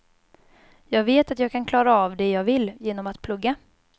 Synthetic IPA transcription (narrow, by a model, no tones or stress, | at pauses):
jɑːɡveːt̪at̪jɑːɡ̚kʰankʰlɑːɾaːvd̪ɛjɑːɡvɪlːjeːnɔmat̪pʰlɵɡːa